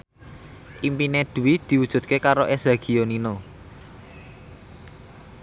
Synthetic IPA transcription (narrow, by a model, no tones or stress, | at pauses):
ʔimpined̪̥ṳwid̪̥i̤wud̥ʒ̥ṳt̪̚kekaɾoʔezaɡ̥i̤onino